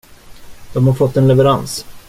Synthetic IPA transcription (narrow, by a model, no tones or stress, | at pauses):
d̪̥ɔmhaɾfɔt̪ːɛnlɛvɛɾans